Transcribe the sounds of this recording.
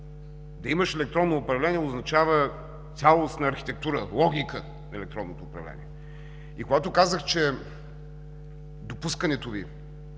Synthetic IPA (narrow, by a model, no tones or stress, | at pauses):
d̪ɐiməʃɛlɛkt̪ɾɔnːoːpɾɐvlɛniɛoznɐt͡ʃavə | t̪sʲalˠost̪nɐːɾxi̥t̪ɛk̚t̪uɾəlˠɔɡʲikə | nɐɛlɛk̚t̪ɾɔnːot̪oːpɾɐ̰vlɛ̰nʲḭɛ | ikoɡat̪okazəxt͡ʃɛ | d̪opuskənɛt̪ovi